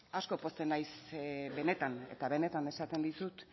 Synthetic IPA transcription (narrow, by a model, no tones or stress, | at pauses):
asko̞po̞st̪enajsβe̞ne̞t̪ane̞̰t̪aβe̞ne̞t̪ane̞sat̪e̞nd̪isut̪